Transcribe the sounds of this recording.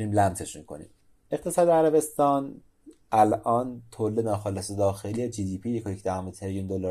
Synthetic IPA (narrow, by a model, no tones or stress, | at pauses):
uniːmlæmze̞ʃmiːkʰo̞̰nḭːm | e̞qt̪ʰe̞sɒːd̪eæɾæbe̞st̪ɒːn | ʔælʔɒːnt̪ʰolːenɒːxɒːlesed̪ɒːxelied͡ʒiːd̪iːpʰijekʰoɾicʰd̪æɦɒmet̪ʰeɾijund̪olɑ